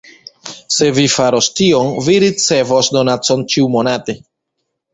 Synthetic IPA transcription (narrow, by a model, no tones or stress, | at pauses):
se̞vifaɾostionviɾit͡se̞vosdo̞nat͡so̞nt͡ʃiumonate̞